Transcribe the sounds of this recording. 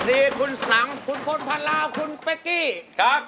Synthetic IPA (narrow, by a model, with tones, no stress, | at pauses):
siː˧kʰu˧nsa˨˦ŋkʰu˧nkʰo˧npʰa˧la˧wkʰu˧npa˧ki˥˩kʰa˦˥p̚